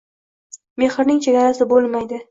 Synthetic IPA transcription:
me̞χɪɾnɪŋt͡ʃʰe̞ɡʲaɾasɪbolˠmajd̪ɪ

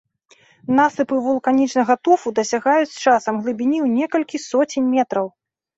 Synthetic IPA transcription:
nasɨpɨvulˠkanʲit͡ʂnɐɣɐt̪ufud̪ɐsʲaɣajut͡sʲt͡ʂasɐmɣlˠɨbʲinʲiwnʲɛkɐlʲkʲisɔt͡sʲinʲmʲɛt̪ɾɐw

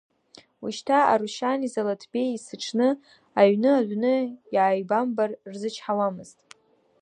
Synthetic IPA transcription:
wuʃtʰaa̰ɾuʃanizalatʰb̥e̞jisɨʈ͡ʂʰnɨ | aɥnɨaʕʷnɨjʕajbambarrzɨt͡ʃʰħawamɨz̥tʼ

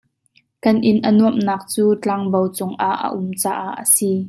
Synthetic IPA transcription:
kɐnʔɪnʔənuəmnaːk̚t͡suːt͡ɬaŋbowt͡sʊŋʔaʔːə̰ʔʊmt͡saːʔaʔːəsiː

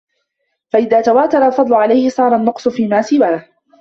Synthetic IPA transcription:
faʔɪðaːt̪awaːt̪ɑɾˤɑlfɑd̪ˤlʊʕalajhɪsˤɑːɾˤɑnːʊqsˤʊfiːmaːsɪwaːh

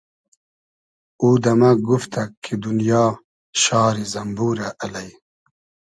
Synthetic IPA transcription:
uːd̪ɐmaɡuft̪ʰakʰːid̪unjɑː | ɕɑːɾizɐmbuːɾaʔːlɐj

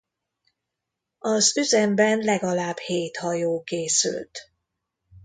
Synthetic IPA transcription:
ɒzyzɛmbɛnlɛɡɒlaːbheːt̪hɒjoːkeːsy̰lt̪

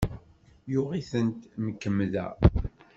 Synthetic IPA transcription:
jʊʁiθənt̪məkːəmːðæ̰

